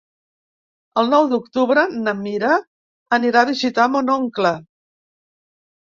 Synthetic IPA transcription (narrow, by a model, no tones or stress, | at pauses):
əlˠnɔwd̪uk̚t̪uβɾənəmiɾəː | niɾaðiʒit̪amonɔŋklə